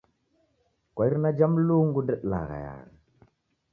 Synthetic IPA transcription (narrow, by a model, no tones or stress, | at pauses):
kʷaiɾnad͡ʒamluŋɡudəɗla̰ɣa̰ja̰ɣa